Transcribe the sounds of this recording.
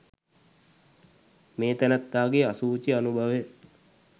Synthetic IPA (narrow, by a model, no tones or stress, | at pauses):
meːt̪ænət̪ːaːɡeasuːt͡ʃianubʱaʋe